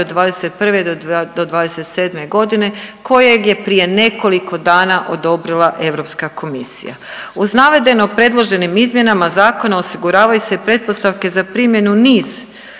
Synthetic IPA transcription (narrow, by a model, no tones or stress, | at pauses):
od̪ʋaːd̪e̞se̞t̪̚pr̩ʋed̪od̪od̪ʋaːd̪eset̪se̞ːd̪me̞ɡo̞d̪ine̞kʰo̞je̞ɡje̞pɾije̞ne̞ko̞likʰo̞d̪aːnaʔo̞d̪o̞bɾilˠaʔe̞ʋɾo̞pskakʰo̞misḭja̰ | uznaʋe̞d̪e̞no̞pɾe̞d̪lˠo̞ʒe̞nimizmje̞namazaːko̞nao̞siɡuɾaːʋajuseipɾe̞t̪̚po̞st̪aʋke̞zapɾimje̞nuniːz̥